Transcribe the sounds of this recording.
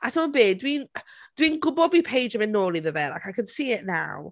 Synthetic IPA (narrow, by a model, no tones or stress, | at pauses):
asʰəmənbeːdwind̥winɡʊbɔbipʰejd͡ʒəmɛnːoːlˠiðəvɛlˠa̰jkajkʰə̃nsiːɪʔna̰w